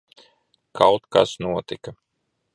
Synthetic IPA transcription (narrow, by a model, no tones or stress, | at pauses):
kʰawt̪ka̰snuɔt̪ika